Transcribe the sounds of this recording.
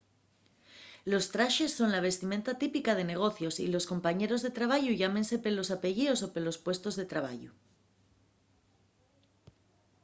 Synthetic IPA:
lo̞st̪ɾaʃe̞sːo̞nlaβ̞e̞st̪imẽ̞nt̪at̪ipikað̞e̞ne̞ɣ̞o̞θjo̞sḭlo̞sko̞mpaɲe̞ɾozðe̞t̪ɾaβ̞aʝuʝamẽ̞nse̞pelo̞sape̞ʝio̞so̞pelo̞spwe̞st̪o̞zðe̞t̪ɾaβ̞a̰ʝu

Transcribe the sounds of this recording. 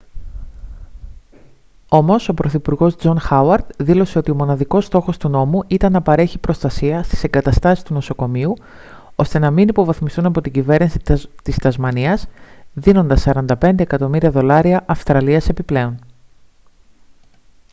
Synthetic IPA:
o̞mo̞so̞pɾʔo̞θipuɾɣo̞zd͡zo̞nxɐwɐɾd̪̥ðilo̞se̞o̞t̪io̞mo̞nɐðiko̞st̪o̞xo̞st̪uno̞muʔit̪ɐnːɐpɐɾe̞çipɾo̞st̪ɐsiɐst̪i̥se̞ŋɡɐt̪ɐst̪ɐsist̪uno̞so̞ko̞miu | o̞st̪e̞nɐminipo̞vɐθmist̪unɐpo̞t̪iɲɟive̞ɾnisi̥t̪ist̪ɐzmɐniɐzðino̞nd̪ɐsɐɾɐnd̪ɐpe̞nd̪e̞ekɐt̪o̞miɾiɐðo̞lɐɾiɐʔɐfst̪ɾɐliɐse̞piple̞o̞n

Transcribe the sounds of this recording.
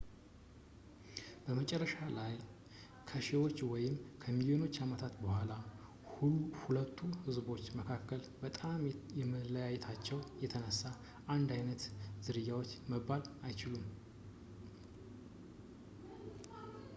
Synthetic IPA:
b̥əmət͡ʃʼɛrːəʃalaj | kʰəʃewo̞t͡ʃːwɔjɪmkʰəmiljo̞no̞t͡ʃːamət̪ʰat̪bəhʷala | huhulət̪ʰːuhɨzbo̞t͡ʃːməkʰakːəlbət̪ʼamjɛməlːəjajɛt̪ʰat͡ʃːɛwjɛt̪ʰənəsːa | and̪ajnət̪z̥ɨɾɨjːawo̞t͡ʃːməbːalajt͡ʃɪlum

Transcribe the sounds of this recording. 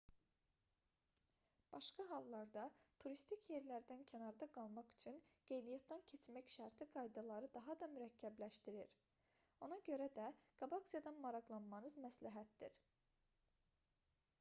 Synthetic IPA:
b̥ɑʃkɑɦɑlˠːɑɾd̪ɑt̪ʰuɾist̪icʰje̞ɾlæɾd̪æncʰænɑɾd̪ɑɡɑlˠmɑχy̥t͡ʃʰynɡ̥e̞jnijæt̪̚d̪æncʰe̞t͡ʃmæcʃæɾt̪ʰiɡɑjd̪ɑlˠɑɾɯd̪ɑɦɑd̪ɑmyɾæcʰːæblæʃt̪iɾiɾ | o̞nɑɟø̞ɾæd̪æɡ̥ɑbɑksijɑd̪ɑnmɑɾɑɣlˠɑnmɑnɯzmæslæɦæt̪̚d̪ḭɾ

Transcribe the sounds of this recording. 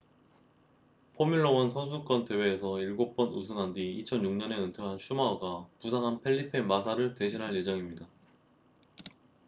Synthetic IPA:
pʰomiɭːowʌnsʰʌsʰuk͈ʌnte̞weːsʰʌiɭɡok̚p͈ʌnusʰɯŋɦandiːt͡ɕʰʌnjuŋɲʌne̞ɯntʰoɦanɕʰumaʌɡapusʰaŋɦanpʰeʎːipʰe̞mas̬ʰaɾɯɭte̞ɕʰinɦaɭje̞d͡ʑʌŋimɲida

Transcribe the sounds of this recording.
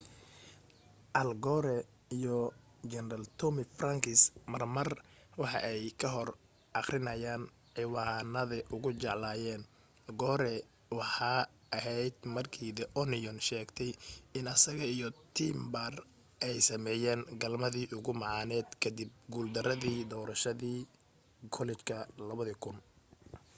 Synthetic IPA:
ʔɐlɡɔɾɛ | ijɔ | d͡ʒɛnɾɐlt̪ʰɔmɪfrɐŋkʰɪsmɐrmɐr | wɑħɑ̰ʔɛjkʰɐɦɔr | ʔɑχrɪnɐjaːn | ʕɪwaːnɐðɐʔʊɣʊt͡ʃɛʕlaːjɛːn | ɡɔːɾɛ | wɑħɑː | ʔɐɦɛjd̪mɐrkʰiːðɛʔɔnɪjɔnʃɛːɡt̪ʰɛjɪnɐsɐɣɐijɔt̪ʰiːmbɐr | ʔɛjsɐmɛːjɛːŋɡɐlmɐðiːʔʊɣʊmɑʕɑːnɛːd̪kʰɐd̪ɪb̚ɡuːld̪ɐɾɐðiːd̪ɔːɾɐʃɐðiː | kʰɔlɛt͡ʃkʰɐlɐβɐðɐkʰʊn

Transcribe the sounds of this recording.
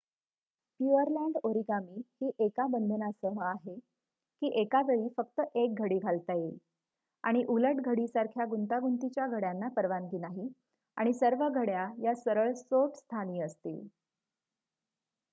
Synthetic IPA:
pjuəɾlæɳɖoɾiɡamiːhiːʔekabənd̪ʱənasəɦəaɦe | kiːʔekaʋeɭiːfək̚t̪əʔek̚ɡʱəɽiːɡʱalt̪aje | a̰ɽ̃iʔuləʈɡʱəɽiːsaɾkʰjaɡunt̪aɡunt̪it͡ɕjaɡʱəɽjanːapəɾʋanɡiːnaɦi | aɽ̃isəɾʋəɡʱəɽjajasəɾəɭsoʈst̪ʰaniːəst̪ḭːl

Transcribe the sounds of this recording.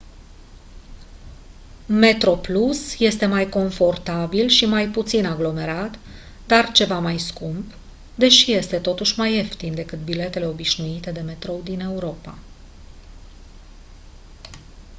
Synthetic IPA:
me̞t̪ɾo̞plusje̞st̪e̞majko̞ɱfo̞rt̪abilʃimajput̪sinaɡlo̞me̞ɾat̪ | d̪̥art͡ʃe̞vamajskumb | d̪e̞ʃije̞st̪e̞t̪o̞t̪uʃʲmaje̞ft̪ind̪e̞kɨt̪̚bile̞t̪e̞le̞o̞biʃnuit̪e̞d̪e̞me̞t̪ɾo̞wd̪ine̞uɾo̞pa

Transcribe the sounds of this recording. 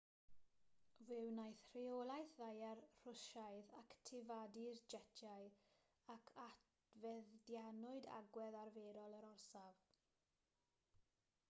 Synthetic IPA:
vɪwnajθr̥ɪolˠajθðajarr̥ʊʃajðaktʰɪvadird͡ʒɛtʰjaɨ | akʰat | vɛðdjanʊɨda̰ɡwɛðarveːɾɔlˠəɾɔrsav

